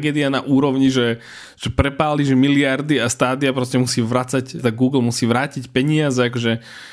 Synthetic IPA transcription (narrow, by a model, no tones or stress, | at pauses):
ɡɛːd̪ianaʔuːɾɔʊɲiʒɛ | ʒ̥ɛpɾɛpaːliʒɛmiliaɾd̪iast̪aːd̪iapɾɔscɛmusiːʋɾat͡sact̪aɡuːɡl̩musiːʋɾaːcicpɛɲɪazɛakɔʒɛ